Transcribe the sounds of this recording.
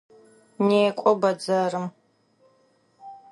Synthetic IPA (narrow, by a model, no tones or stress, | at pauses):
neːkʷʼɔbɐd͡zɐrɨm